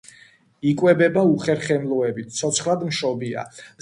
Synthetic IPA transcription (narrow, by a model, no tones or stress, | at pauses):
ikʼwɛbɛbauχɛɾχɛmlˠɔɛbit̪ʰt̪sʰɔt̪sʰχlˠad̪mʃɔbia̰